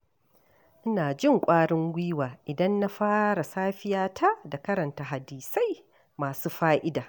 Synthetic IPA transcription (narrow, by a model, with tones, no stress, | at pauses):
ʔɪ˦naː˨d͡ʒɪ˦ŋkʷʼaː˦ɽɪ˦ŋwiː˦waː˨ʔɪ˨dɐ˦nːa˦ɸaː˦ɾa˨saː˦ɸɪ˦jaː˦tʰa˦da˨kɐ˦ɾɐ˨nta˨ɦa˨diː˨sa˦j | maː˨suː˦ɸaː˦ʔɪ˦daː˨